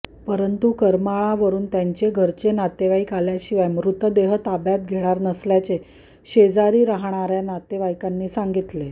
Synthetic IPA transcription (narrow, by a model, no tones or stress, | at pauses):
pəɾənt̪ukəɾmaɭaʋəɾuːnt̪jaɲt͡ɕeɡʱəɾt͡ɕenat̪eʋaikaljaɕiʋajmɾut̪əd̪eɦət̪abjat̪̚ɡʱeɭ̃aɾnəsljat͡ɕe | ɕed͡zaɾiːɾaɦɳ̃aɾjanat̪eʋajkanːiːsaŋɡit̪le